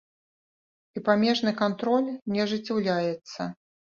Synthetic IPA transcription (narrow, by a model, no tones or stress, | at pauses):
ipamʲɛʐnɨkant̪ɾɔlʲnʲɛɐʐɨt͡sʲawlʲajɛt̪sːɐ